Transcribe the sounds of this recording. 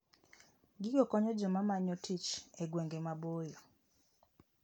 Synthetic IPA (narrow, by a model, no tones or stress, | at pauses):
ɡɪɡɔkɔɲɔd͡ʒɔmamaɲɔtit͡ʃeɡweŋɡemabojɔ